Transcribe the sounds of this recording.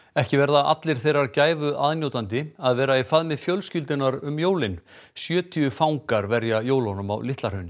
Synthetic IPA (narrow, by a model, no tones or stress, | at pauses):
ɛhcɪvɛɾðaʔa̰t̪lɪɾ̥θejraɾcaːjvʏʔaðnjowt̪ant̪̬ɪaðvɛːɾaifaðmɪfjœlscʏlt̪ɪnaɾʏmjoːwlɪnsjœːt̪ʰiʏfawŋkaɾvɛɾjajoːwlɔnʏma̰wlɪht̪laɾhœnɪ